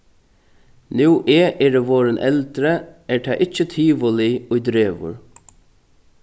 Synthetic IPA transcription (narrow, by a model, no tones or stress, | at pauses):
nuːʔɛʔɛːɾəʋoːɾənʔɛ̰lt̪ɾəɛɹt̪ʰæʔɪt͡ʃːət̪ʰiːʋʊliʊjd̪ɾeːʋʊ̰ɹ